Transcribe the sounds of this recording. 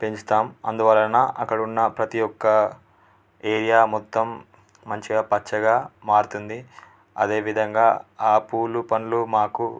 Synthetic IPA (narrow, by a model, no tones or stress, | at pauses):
pe̞ɲt͡ʃu̥t̪aːmɐnd̪uʋɐːlɐnaʔɐkːɐɽunːɐpɾɐt̪ijɔkːɐ | e̞ːɾijaːmɔt̪ːɐmː | ɐɲt͡ʃiɡaːpɐt͡ʃːɐɡaːmaːɽut̪und̪i | ɐd̪e̞ːʋid̪ʱɐŋɡaːaːpuːlupɐnulumaːku